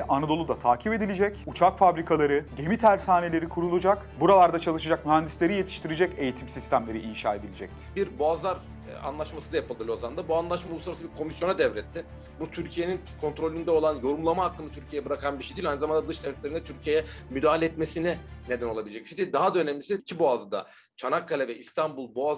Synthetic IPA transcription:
ʔanad̪o̞lˠud̪at̪ʰaːcʰipe̞d̪ilʲed͡ʒɛcut͡ʃʰakfabɾikʰalˠaɾɯɟe̞mit̪ʰæɾsaːne̞lʲe̞ɾikʰuɾulˠud͡ʒakbuɾalˠaɾd̪at͡ʃʰalˠɯʃɯd͡ʒak̚myɦænd̪islʲe̞ɾije̞t̪ʰi̥ʃt̪ʰiɾid͡ʒɛce̞jit̪ʰimsist̪ʰæmlʲe̞ɾiinʃaːed̪ilʲed͡ʒɛ̰c̚t̪ʰɪ̥biɾboaːzlˠaɾ | a̰nlˠaʃmasɯd̪ajapɯlˠɯlʲˠjozand̪abuanlˠaʃmaulˠusaɾasɯbiɾkʰo̞misjo̞nad̪ɛvɾɛt̪ʰːɪ | but̪ʰyɾcʰije̞ninkʰo̞nt̪ɾo̞lʲynd̪ɛo̞lˠanjo̞ɾumlˠamaɦakːɯnat̪ʰyɾcʰijejɛbɯɾakʰanbiʃed̪ilʲajnɯzamand̪ad̪ɯʃd̪ɛvlʲɛt̪lʲeɾind̪ɛt̪ʰyɾcʰijejɛmyd̪aːɦalʲeɛːt̪mesiniɛne̞d̪æno̞lˠabilʲed͡ʒɛcmiʃind̪ʲid̪aɦad̪ø̞nɛmlʲisiicʰibo̞azɯd̪a̰ | t͡ʃʰanakʰːalʲavɛist̪ʰanbulˠboa

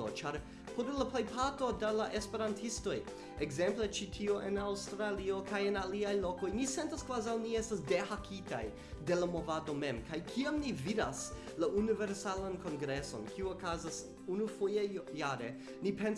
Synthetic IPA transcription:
o̰t͡ʃaɾ | pʰoɾlaplejpʰato̞delaʔespe̞ɾantʰisto̞j | eɡze̞mplet͡ʃitʰioʔenawstɾalio̞kʰajenaliajlo̞ko̞jnisentaskvazawniestasde̞hakʰita̰j | de̞lamo̞vado̞me̞mkajkʰiamnividas | laʔuniveɾsalanko̞nɡɾeso̞̰nkʰiuokazas | unufojejaɾe | nipe̞n

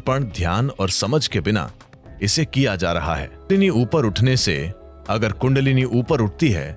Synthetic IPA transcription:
pəɽ̃d̪ʱjaːnɔːɾsɐməd͡ʒʱkebɪna̰ | ɪsekijad͡ʒaːɾɐɦa̰ɦɛ̰ːliniuːpəɾʊʈʰnesḛ | ɐɡəɾkʊ̃ɳɖliniʔuːpəɾʊʈ̚ʰt̪iɦɛ̰ː

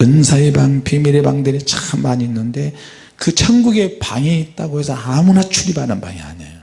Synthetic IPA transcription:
pɯnsʰaibaŋpimiɾebaŋdeɾit͡ɕaχɯnmaɲinːɯnde̞ | kɯt͡ɕʰʌnɡuɡe̞paŋeit̚t͈aɡoɦe̞sʰʌamunat͡ɕʰuɾibanɯnba̰ŋia̰ɲḛjo

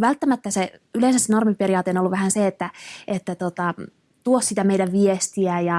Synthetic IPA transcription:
ʋælt̪ːæmæt̪ːæseyleinsæsenormiperijɑːt̪eonolːuʋʋæhænseet̪ːæet̪ːæt̪ot̪ɑ | t̪uossit̪æmeijdæʋʋiest̪iæjɑ

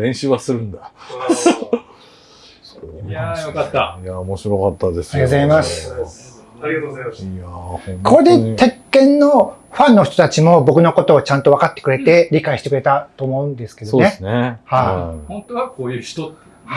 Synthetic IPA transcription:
dẽ̞ɕɨβasɨɾɯ̟̃nd̪a | oajokat̪ːajaomoɕiɾo̞kat̪ːad̪esaɾiat̪ozaimasɨ̥ | jahõnkʰod̪et̪e̞kːẽ̞nːo̞ | ɸãnːo̞çi̥t̪ot̪at͡ɕimo̞bo̞kɯ̟no̞ko̞t̪o̞ːt͡ɕãnt̪o̞βakat̪ːe̥kɯɾe̞t̪e̞ɾʲikaiɕi̥t̪e̞kɯɾe̞t̪at̪o̞ːmo̞ɯ̟̃nd̪e̞sɨ̥ke̞d̪oonesnehaihõnt̪oakoːjɯ̥t̪o

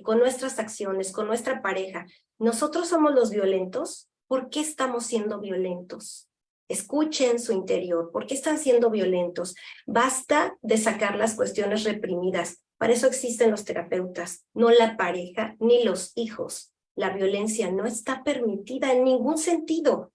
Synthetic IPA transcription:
ko̞nːwest̪ɾasaksjo̞ne̞sko̞nːwe̞st̪ɾapaɾe̞xa | no̞so̞t̪ɾo̞sːo̞mo̞zlo̞zβjo̞le̞nt̪o̞s | po̞ɾke̞ːst̪amo̞sːje̞nd̪o̞βjo̞le̞nt̪o̞s | e̞skut͡ʃensuint̪e̞ɾjo̞ɾpo̞ɾke̞eːst̪ansje̞nd̪o̞βjo̞le̞nt̪o̞sbast̪aðe̞sakaɾlaskwe̞st̪jo̞ne̞sre̞pɾimiðas | pa̰ɾae̞so̞e̞ksist̪e̞nlo̞st̪e̞ɾʔape̞wt̪as | no̞lapaɾe̞xanilo̞sixo̞̰s | laβjo̞le̞nsjano̞e̞st̪ape̞ɾmit̪iðaenːĩŋɡunse̞nt̪iðo̞

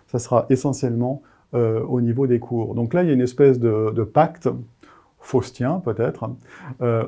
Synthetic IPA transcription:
sasəʁaʔesɑ̃sjɛlmɑ̃ | øonivod̪ekʰuːʁd̪ɔ̃klailjaynɛspɛsd̪əd̪əpakt̪ | fost̪jɛ̃pøt̪ɛt̪χø

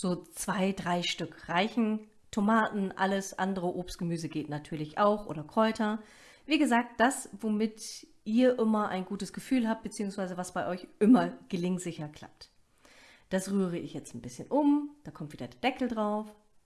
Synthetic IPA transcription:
z̥oːt͡sv̥aɪdʁaɪʃtʏkʁaɪçn̩ | tʰomaːtn̩ʔa̰ləsʔa̰ndəʁəʔoːpstɡ̥əmyːzəɡeːtnatʰyːɐlɪçʔaʊxʔo̰ːdɐkʁ̥ɔʏtʰɐ | viːɡəzaːk̚t̚d̥asvomɪt | ʔiːɐʔɪmɐʔa̰ɪnɡuːtəsɡ̥əfyːlɦaːp̚t̚b̥ət͡siːʊŋsv̥aɪzəvasb̥aɪʔɔʏçʔɪmɐɡ̥əlɪŋtz̥ɪçɐkʰl̥a̰p̚t | d̥asʁyːʁəɪçjɛt͡stn̩b̥ɪsçənʔʊmd̥aːkʰɔmtv̥iːdɐdɛːɐd̥ɛkl̩dʁaʊf

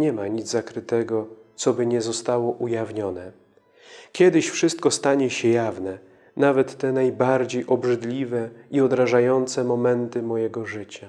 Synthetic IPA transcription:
ɲɛmaɲid̪zzakɾɘt̪ɛɡɔt̪sɔbɘɲɛzɔst̪awɔʔujavɲɔnɛ | kʲjɛd̪ɘɕfʂɘst̪kɔst̪aɲɛɕɛjavnɛ | navɛt̪ːɛnajbaɾd͡ʑejʔɔbʐɘd̪lʲivɛiɔd̪ɾaʐajɔnt̪sɛmɔmɛnt̪ɘmɔjɛɡɔʐɘt͡ɕa

